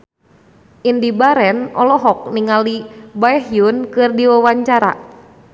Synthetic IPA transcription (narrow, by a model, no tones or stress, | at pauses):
ʔindibaɾɛnɔlɔɦɔk̚niŋalibaɛɦjunkɨrdiwawaɲt͡ʃaɾa̰